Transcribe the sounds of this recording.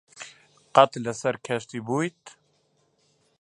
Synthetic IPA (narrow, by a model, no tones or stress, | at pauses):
qɑt̪lɛsɛɾkʰɛʃt̪ibuːjt̪